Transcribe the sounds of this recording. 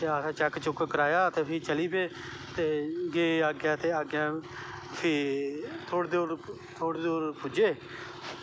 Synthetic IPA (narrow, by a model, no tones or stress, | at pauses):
t̪eːasãːt͡ʃɛkt͡ʃʊkkəɾaːjaːət̪eːpʰiːt͡ʃəliːbeː | t̪eːɡeːaːɡjãːt̪eːaːɡjãːpʰiːt̪ʰoːɽd̪oːɾ | t̪ʰoːɽd̪oːɾpʰʊd͡ʒeː